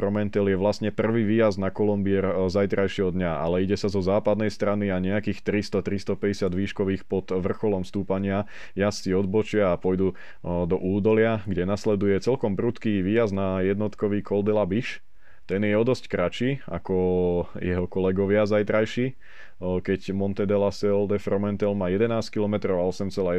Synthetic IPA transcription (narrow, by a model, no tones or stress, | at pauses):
pɾɔmɛnt̪ɛljɛʋlasɲɛpr̩ʋiːʋiːjazd̪nakɔlɔmbiɛɾzajt̪ɾajʃiɦɔd̪ɲaa̰lɛiɟɛsazɔzaːpad̪nɛjst̪ɾaniaɲɛakiːxt̪ɾist̪ɔt̪ɾist̪ɔpɛɟɛsɪad̪ʋiːʃkɔʋiːxpɔt̪ʋr̩xɔlɔmst̪uːpaɲɪa | jast͡siɔd̪̚bɔt͡ʃɪaːpɔjd̪u | d̪ɔʔuːd̪ɔlɪaɡɟɛnaslɛd̪ujɛt͡sɛlkɔmbɾut̪kiːʋiːjaznajɛd̪nɔt̪kɔʋiːkɔld̪ɛlabiʃ | t̪ɛnjɛɔd̪ɔsckɾat͡ʃiːa̰kɔjɛ̰ɦɔkɔlɛɡɔʋɪazajt̪ɾajʃiː | kɛɟmɔnt̪ɛd̪ɛlasɛld̪ɛfɾɔmɛnt̪ɛlmaːjɛd̪ɛnaːsckilɔmɛt̪ɾɔʊaɔsɛmt͡sɛlaːjɛ